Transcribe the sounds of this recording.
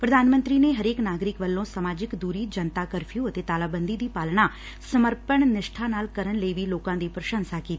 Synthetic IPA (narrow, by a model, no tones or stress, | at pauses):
pɾəd̪ʱaːnmə̃nt̪ɾineɦəɾeːknaːɡɾɪkʋəlːõsəmaːd͡ʒɪkd̪uːɾid͡ʒənt̪akəɾfʰijũət̪et̪aːlaːbə̃nd̪id̪iːpaːlɳa | səməɾpəɳnɪʃʈʰanaːlkəɾəɳleiʋiloːkãd̪iːpɾəʃə̃nsakiːt̪i